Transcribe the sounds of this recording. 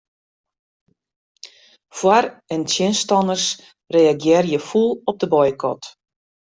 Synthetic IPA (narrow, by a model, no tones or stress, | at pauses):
fwarɛntʰjɪnstɔnərs | reaɡjɪrjəfulˠɔp̚dəbɔjkʰɔ̰t